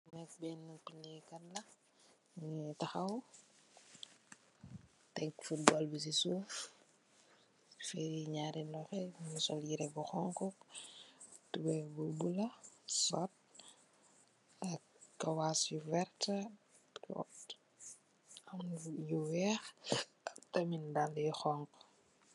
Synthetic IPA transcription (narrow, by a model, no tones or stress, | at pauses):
nɛk̚bɛːnːupilikɐtlɐ | ɲitɐxɐw | tɛŋkfut̚bɔlbis̬isuːf | fɛɾiɲaːɾilɔxɛɲisɔljiɾɛbɔxɔŋkɔ | tubɛbubulɐsɔt̚ | ɐ | kːɐwaːsjuvɛrtɐ̰ | t | ɐmjuwɛːx | tɐmindalːɛxɔŋk